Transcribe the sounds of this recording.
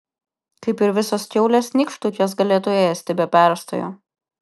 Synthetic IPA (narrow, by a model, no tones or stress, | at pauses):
kɐɪpɪɾʋʲɪsoːskʲɛʊlʲeːsnʲɪkʃt̪uːkʲoːs̬ɡɐlʲeːt̪ʊeeːsʲt̪ʲɪbʲɛpʲæˑɾst̪o̰jo̰ː